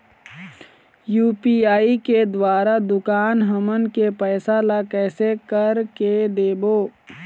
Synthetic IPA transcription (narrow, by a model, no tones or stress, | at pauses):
juːpiaːiked̪waːɾad̪ʊkaːnɦəmənkepɛːsalakɛːsekəɾked̪eːboː